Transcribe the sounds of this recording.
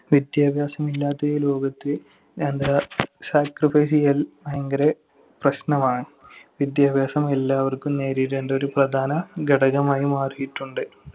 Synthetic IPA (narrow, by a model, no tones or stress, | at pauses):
ʋid̪jaːbʱjaːsɐmilːaːt̪ːelo̞ːɡɐt̪ːil | end̪ɐsaːkrifɐːsijɐlmɐjɐŋɡɐɾe | prɐɕnɐmaːɳɨʋid̪jaːbjaːsɐmelːaːʋɐrkumne̞ːɾiɾendeoɾuprɐd̪ʱaːnɐɡɐɽɐɣɐmaːjumaːrijiʈːuɳɖɨ